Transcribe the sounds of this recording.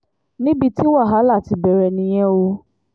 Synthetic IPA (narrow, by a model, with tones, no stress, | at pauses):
nĩ˦bi˧ti˦wa˦˨ɦa˨˦la˦˨ti˧bɛ˨ɾɛ˨nĩ˦j̃ɛ̃˦wo˦